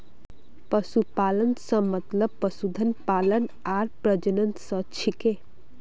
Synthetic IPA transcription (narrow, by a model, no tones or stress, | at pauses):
pəsupalənsə̃mət̪ləb̚pəsud̪ʱənpalən | aɾpɾəd͡ʒənənt̪sə̃t͡ʃʰike